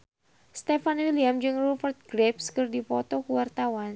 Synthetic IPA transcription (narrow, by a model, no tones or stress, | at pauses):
st̪ɛfanwiliamd͡ʒɨŋrufərt̪̚ɡɾɛpskɨrdipɔt̪ɔkuwart̪awan